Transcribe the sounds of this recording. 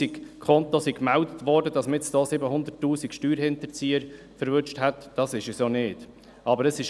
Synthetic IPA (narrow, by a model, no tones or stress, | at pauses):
ikkʰχɔnt̪osikmɛldətʋɔːɾdəd̥ɑsmɪtt͡sd̥oːsɪbəɦʊnd̪ətːuːsikʃtyːɾɦɪnt̪əɾt͡siːəɾ | fəɾvʏt͡ʃthɛtd̥ɑsɪʃəsjonɪːd̥ | ʔɑbəɾəsɪʃ